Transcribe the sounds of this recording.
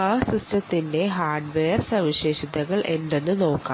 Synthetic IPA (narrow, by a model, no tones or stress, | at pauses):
aːsistɐt̪ːinde̞ɦaːrɖʋeːjɐrsɐʋiɕeːɕid̪ɐɣɐɭʔe̞nd̪enːɨno̞ːkːa̰ː